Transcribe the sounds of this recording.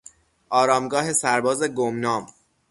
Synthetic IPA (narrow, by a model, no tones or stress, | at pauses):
ʔɒːɾɒːmɡɒːɦe̞sæɾbɒːze̞ɡomnɒːm